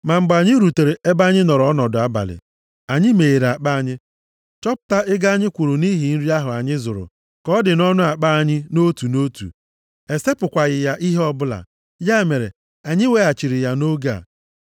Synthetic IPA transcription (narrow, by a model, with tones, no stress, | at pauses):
ma˨ŋ͡m̩˨ɡ͡ba˨ɲɪ˦ɾu˨te˨ɾe˨e˦ba˦ɲɪ˦nɔ˨ɾɔ˦nɔ˨dʊ˨a˦ba̰˨lɪ̰˨ | a˨ɲɪ˦me˨e˨ɾa˨k͡pa˦a˨ɲɪ˦ | t͡ʃɔ˦pʊ̥˨ta˦ʔɪ˦ɡa˦a˦ɲɪ˦kʷu˨ɾʊ˨ni˦ɦi˨n̩˦ɾi˦a˦ɦʊ˨a˨ɲɪ˦zʊ˨ɾʊ̰˨ | kɔ˦dɪ˨nɔ˦nʊ˦a˨k͡pa˦a˨ɲɪ˦no˦tu˨no˦tṵ˨ | e˨se˦pʊ˨kʷa˨ɣɪ˨ja˦ʔi˦ɦe˦ɔ˦bʊ˦la̰˨ | ja˦˨me˨ɾe˨ | a˨ɲɪ˦we˦a˨t͡ʃi˨ɾɪ˨ja˦no˦ɡa̰˨